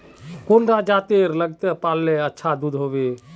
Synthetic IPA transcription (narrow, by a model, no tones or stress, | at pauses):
konɖad͡ʒat̪eɾləɡt̪epalːeətːʃʰad̪ud̪ʱɦobe